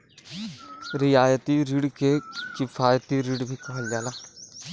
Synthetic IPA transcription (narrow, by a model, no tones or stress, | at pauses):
ɾɪjaːjət̪iɾiɽkekɪfʰaːjət̪iɾiɽbʱikɐɦəld͡ʒaːlaː